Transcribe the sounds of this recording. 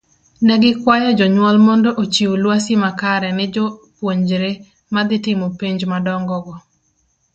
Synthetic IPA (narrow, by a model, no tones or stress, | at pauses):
nɛɡɪkwajɔd͡ʒɔɲwɔlmɔndɔʔot͡ʃiwolwasimakaɾɛnɪd͡ʒɔpwoɲd͡ʒɾe | mad̪ɪtɪmopiɲd͡ʒmadɔŋɡɔɡɔ